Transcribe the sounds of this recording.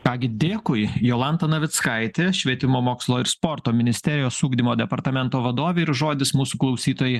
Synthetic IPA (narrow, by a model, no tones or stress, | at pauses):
kɑːɡʲɪd̪ʲeːkʊɪjoːlˠɐnt̪ɐnɐʋʲɪt̪skɐɪt̪ʲeːʃʲʋʲiɛt̪ʲɪmoːmoːkslˠoːɪɾspoːɾt̪oːmʲɪnʲɪsʲt̪ʲɛɾʲɪjoːsuːɡd̪ʲɪmoːd̪ʲɛpɐɾt̪ɐmʲɛnt̪oːʋɐd̪oːʋʲeɪɾʒoːd̪ʲɪsmuːsuːklˠɐʊsʲiːt̪oːjɛɪ